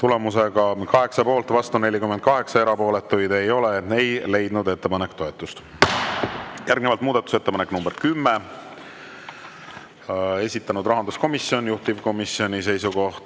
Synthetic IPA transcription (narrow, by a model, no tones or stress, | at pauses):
t̪ule̞mus̬e̞ɡ̥ɑkɑɦe̞ksɑpo̞ːlt̪vɑst̪une̞lʲːikyment̪̚kɑɦe̞ksɑe̞ɾɑpo̞ːle̞t̪ːujd̪̥e̞jo̞lee̞jle̞jd̪nud̪e̞t̪ːe̞pɑnekt̪o̞et̪ːˑust̪ | jærɡnevɑlt̪muːd̪̥ɑt̪ːu̥se̞t̪ːeɑnekːˑnumbeɾkymːe | e̞sʲit̪ːˑɑnud̪rɑɦɑnd̪usko̞misjo̞njuht̪ivko̞misio̞nʲise̞jsuko̞ht̪